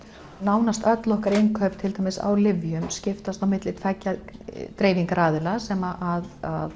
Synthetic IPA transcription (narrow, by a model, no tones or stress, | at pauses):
naːwnast̪œt̪lɔhkaɾɪnkʰœɥpt̪ʰɪlt̪ajmɪsa̰wlɪvjʏmscɪft̪ast̪awmɪt̪lɪt̪ʰfɛcːat̪ɾeːjviŋkaɾaːðɪlasɛmaʔaðað